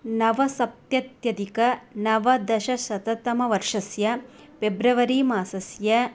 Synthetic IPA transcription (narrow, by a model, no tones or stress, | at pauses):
nɐʋɐsɐpt̪jɐt̪jɐd̪ikɐnɐʋɐd̪ɐʃɐsɐt̪ɐt̪ɐmɐʋɐɾʂɐsjɐ | pebɾɐʋɐɾiːmaːsɐsjɐ